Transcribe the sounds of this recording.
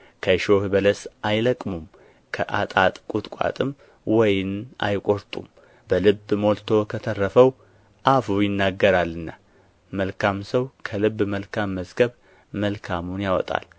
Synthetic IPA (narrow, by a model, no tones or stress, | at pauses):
kʰəʃo̞hɨbələsajləkʼmum | kʰəʔat̪ʼat̪ʼkʼut̪ʼkʷʼa̰t̪ʼɨm | wɔjɪna̰jkʼo̞ɾt̪ʼṵm | bəlɨbːmo̞lt̪ʰo̞kʰət̪ʰərːəfəw | ʔafujɪnːaɡːəɾalːɨnːa | məlkʰamsəwkʰəlɨbːməlkʰamːəzɡəβ | məlkʰamunjawɔ̰t̪ʼa̰l